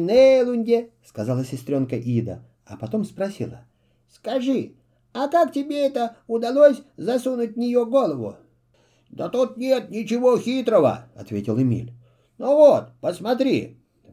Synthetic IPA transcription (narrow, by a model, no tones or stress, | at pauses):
nelʲˠʊnʲdʲeskɐzalˠəsʲɪsʲt̪ɾʲonkəʔid̪ə̰ | ɐ̰pɐt̪omspɾɐsʲilˠə̰ | skɐʐɨ | ɐkaktʲɪbʲeɛt̪əʊd̪ɐlˠosʲzɐsunʊt̚ʲnʲɪjoɡolˠəvʊ̰ | d̪ət̪ut̪nʲet̪̚nʲɪt͡ɕɪvoxʲit̪ɾəvə̰ɐ̰t̪vʲetʲɪlˠɨmʲḭlʲ | novot̪̚pəsmɐt̪ɾʲḭ